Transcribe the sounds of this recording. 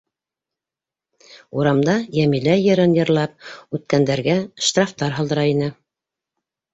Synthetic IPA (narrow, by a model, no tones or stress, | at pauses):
uɾɑmd̪ɑjæmilæjɘ̆ɾɘnjɤ̆ɾlˠɑp̚ʉt̪̚kænd̪æɾɡæʃt̪raft̪ɑɾɦɑlˠd̪ɤ̆ɾɑinɘ